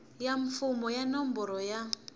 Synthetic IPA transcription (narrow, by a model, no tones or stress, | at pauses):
jaɱfʊmɔjanɔm̩bɔɾɔja